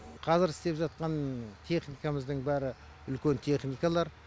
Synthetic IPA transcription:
qʰɑzɪɾɪst̪e̞pʒɑt̪̚qɑnt̪ʰe̞χnijkaməzd̪əɴbæɾɪ | ʏlkʲe̞nt̪ʰe̞χnijkalˠɑɾ

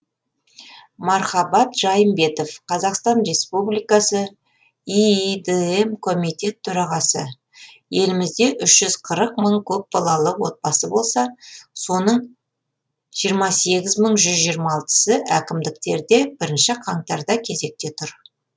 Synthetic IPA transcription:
mɑɾχɑbɑt̪ʒ̥ɑjəmbe̞t̪o̞fqʰɑzɑqst̪ɑnɾe̞spublijkɑsə | iid̪eemkʰo̞mijt̪ʲe̞t̪ʰːʊɾɑʁɑsə | je̞lɪmɪzd̪e̞ʔʏʃʒ̥ʏz̥qʰəɾəq̚məɴkʲʰɵp̚b̥ɑlˠɑlˠəwo̞t̪̚bɑsəbo̞lˠsɑso̞nəɴ | ʒ̥ijəɾmɑse̞ɡʲɪzməɴʒʏzʒijəɾmɑːlˠt̪ə̥səʔækʲɪmd̪ɪk̚t̪e̞ɾd̪e̞bɪɾɪnʃɪqʰɑɴt̪ɑɾd̪ɑkʲʰe̞ze̞k̚t̪e̞t̪ʰʊɾ

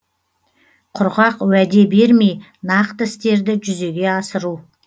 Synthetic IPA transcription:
qʰʊɾʁɑqwæd̪e̞be̞ɾme̞j | nɑqt̪əɪst̪e̞ɾd̪ɪʒʏze̞ɡʲe̞ɑsəɾu

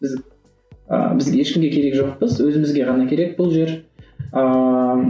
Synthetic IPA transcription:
bɪz | ə̰bɪzje̞ʃkʲɪmɡʲe̞kʲʰe̞ɾe̞kʒo̞q̚pəzwɵzɪmɪzɡʲe̞ʁɑnɑkʲʰe̞ɾe̞k̚bʊlˠʒe̞ɾə

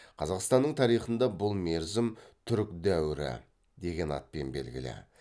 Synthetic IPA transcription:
qʰɑzɑqst̪ɑnːəɴt̪ʰɑɾijχənd̪ɑbʊlˠme̞ɾzɪmt̪ʰʏɾkd̪æwɪɾɪ̰ | d̪e̞ɡʲe̞nɑ̰t̪̚pe̞nbe̞̰lɡʲɪ̰lɪ̰

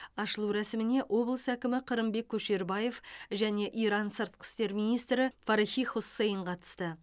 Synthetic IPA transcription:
ɑʃəlˠuɾæsɪmɪne̞ʔwʔo̞blˠəsækʲɪmɪqʰəɾəmbe̞kʲʰːɵʃe̞ɾbɑje̞fʒæne̞ʔijɾɑnsəɾt̪̚qə̥st̪e̞ɾmijnijst̪ɾɪfɑɾiχijχosːe̞jəɴqʰɑt̪ə̥st̪ə

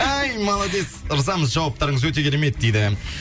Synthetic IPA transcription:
æjmɑlˠɑd̪e̞səɾzɑməzʒɑwɑp̚t̪ɑɾəɴəzwɵt̪e̞kʲʰɪɾeme̞t̪̚d̪e̞jd̪ɪ

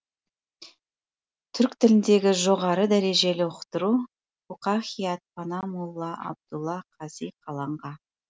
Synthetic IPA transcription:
t̪ʰʏɾkt̪ʰɪlɪnd̪e̞ɡʲɪʒo̞ʁɑɾəd̪æɾe̞ʒe̞lɪʊqt̪əɾu | uqɑχijɑt̪̚pʰɑnɑmʊlˠːɑʔɑ̰b̚d̪̥ulˠːɑqʰɑzijqʰɑlˠɑɴʁɑ

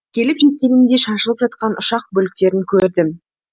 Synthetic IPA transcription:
kʲʰe̞lɪpʒɪt̪̚kʲenɪmd̪e̞ʃɑʃəlˠəpʒɑt̪qɑnʔʊʃɑq̚bɵlɪk̚t̪e̞ɾɪŋkʲʰɵɾd̪ɪm

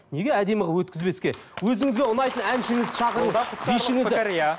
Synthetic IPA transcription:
ne̞ɡʲe̞æd̪e̞mɪʁɑwɵt̪kʲɪzbe̞skʲe̞ | wɵzɪŋɪzɡʲeʊnɑjt̪ənænʃɪŋɪzʃɑʁəɾəbiʃɪŋɪzɪa

